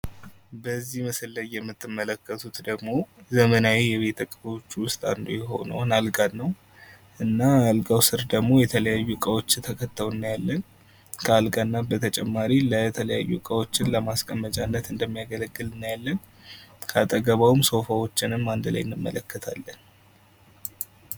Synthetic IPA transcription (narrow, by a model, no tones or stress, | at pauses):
bəzːihməsɨlːəjːɛmːɨt̪ʰːɨmːələkːət̪ʰut̪d̪əɡmo̞zəmənajejɛβe̞t̪ʰəkʼbowt͡ʃːuwʊst̪ʼa̰nd̪ojɛɦo̞̰nə̰wnalɡalːəw | ʔɨnːaalɡawsɨɾd̪əɡmo̞jɛt̪ʰələjajːukʼəwo̞t͡ʃːɪt̪ʰəkʰət̪ːəwɨnːajalːən | kʰəalɡanːabət̪ʰət͡ʃʼɛmːaɾilət̪ʰələja̰jːṵkʼəwo̞t͡ʃːɪnləmaskʼəmːət͡ʃʼanːət̪ɨnd̪əmːijaɡələɡːɨlɨnːjalːən | kʰəat̪ʼəɡəβawumso̞fawo̞t͡ʃːɪnɨmːand̪la̰jɪnːɨmːə̰ləkːət̪ʰa̰lːən